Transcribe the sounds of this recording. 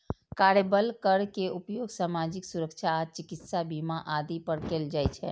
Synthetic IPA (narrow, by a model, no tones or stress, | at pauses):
kaɾebəlkəɾkeʔupjoɡsamad͡ʒiksuɾəkt͡ʃʰaːt͡ʃikit̪sabimaʔad̪ipəɾkeld͡ʒajt͡ʃʰɛ̰